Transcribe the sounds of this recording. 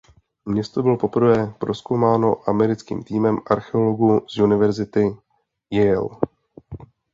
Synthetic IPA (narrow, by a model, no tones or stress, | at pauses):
mɲɛst̪o̞bɪlo̞po̞pr̩vɛːpɾʔo̞skowmaːno̞ʔamɛɾɪt͡skḭːmt̪iːmɛmʔaɾxɛo̞lo̞ɡuz̥junɪvɛɾzɪt̪ɪ | jɛjɛ̰l